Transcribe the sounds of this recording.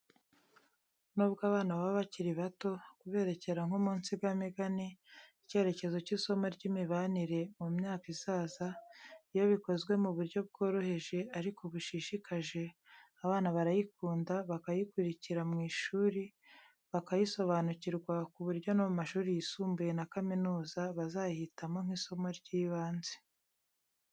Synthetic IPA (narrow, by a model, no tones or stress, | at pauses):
nuːbɡaβaːnaββaβaciɾiβato̞kuβe̞ːɾe̞ce̞ɾaŋhomuːnsibɡameɡaniice̞ːɾe̞ce̞zo̞ciso̞moɾɟiːmiβaniɾe̞mumɲaːkiz̥aːzaijo̞βiko̞zɡwe̞muβuɾɟo̞b̚ɡo̞ːɾo̞he̞ʒe̞aɾikoβuʃiʃikʰaʒe̞ | aβaːnaβaɾajikuːndaβakajikuɾiciɾamŋiːʃuːɾi | βakajiso̞βaːnuciɾɡwakuβuɾɟo̞nomumaʃuːɾijisuːmbuje̞nakaminuːzaβazaːjihitamoŋ̥hiso̞mo̞ɾɟiːβaːnze̞̥